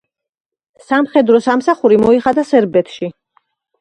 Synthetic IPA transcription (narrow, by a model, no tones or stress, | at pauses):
samχɛd̪ɾɔsamsaχuɾimɔiχad̪asɛɾbɛt̪ʰʃi